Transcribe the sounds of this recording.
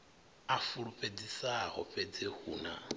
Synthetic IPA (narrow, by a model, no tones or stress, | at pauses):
afuɺupʼed͡zisahɔ̰ɸʼɛd͡zehṵːna̰